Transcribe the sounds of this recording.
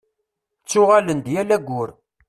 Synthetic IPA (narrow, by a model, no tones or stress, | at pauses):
t͡sːʊʁalənd̪jælæɡʷːʊɾ